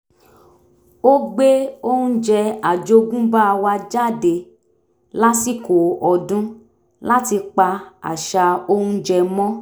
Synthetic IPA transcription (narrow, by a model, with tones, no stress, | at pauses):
o˦ɡ͡be˦o˦hũ˦d͡ʒɛ˧a˨d͡ʒo˧˦ɡũ˦ba˦a˧wa˧d͡ʒa˦˨de˨ | la˦si˦˨ko˨ɔ˨dũ˦ | la˦ti˧k͡pa˧a̰˨ʃa˧o˦hũ˧d͡ʒɛ˧mɔ̃˦